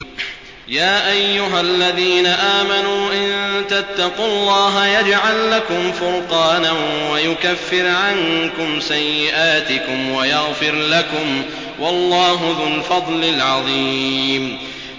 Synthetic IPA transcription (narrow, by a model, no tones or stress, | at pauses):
jaːʔajːʊɦalːaðiːnaʔaːmanuːʔɪnt̪at̪ːɑqʊlˤːɑːɦajad͡ʒʕalːakʊmfʊɾqɑːnanwajʊkafːɪɾʕaŋkʊmsajːɪʔaːt̪ɪkʊmwajaɣfɪɾlakʊm | wɑlˤːɑːɦʊðʊlfɑd̪ˤlɪlʕɑðˤiːm